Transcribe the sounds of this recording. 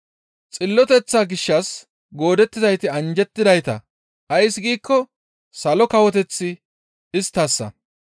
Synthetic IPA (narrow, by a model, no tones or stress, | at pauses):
t͡sʼɪlːɔt̪ɛt͡sːaɡɪʃːɐs | ɡo̞ːd̪ɛt̪ːɪzɐjt̪ɪɐnd͡ʒɛt̪ːɪd̪ɐjt̪ɐ̰ | ɐjsɡiːkːɔ | sɐlɔkɐwɔt̪ɛt͡sːɪ | ɪst̪ːɐsːɐ̰